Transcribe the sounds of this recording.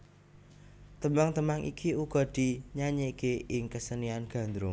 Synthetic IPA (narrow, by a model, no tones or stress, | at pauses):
t̪əmaŋt̪əmaŋʔḭkʰiuɡ̥ɔ̤d̪̥i̤ɲaɲekeʔɪŋkəsənianɡ̥ä̤nd̪ɾʊ